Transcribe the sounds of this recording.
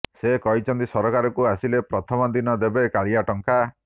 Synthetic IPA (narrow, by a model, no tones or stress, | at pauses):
sekɔit͡ʃʰɔnt̪isɔɾɔkaɾɔkuasilepɾɔt̪ʰɔmɔd̪inɔd̪ebekaɭiaʈɔŋka